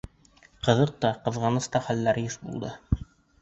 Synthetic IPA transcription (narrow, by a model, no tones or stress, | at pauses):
qɤ̆ðɤq̚t̪ɑqɤ̆ðʁɑnɤ̆st̪ɑχælːæɾjɘʃbṵlˠd̪ɤ